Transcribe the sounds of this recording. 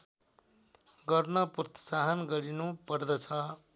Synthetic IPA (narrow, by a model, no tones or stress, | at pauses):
ɡʌrnʌprʌt̪i̥saɦʌnɡʌɾinupʌrd̪ʌt͡sʰʌ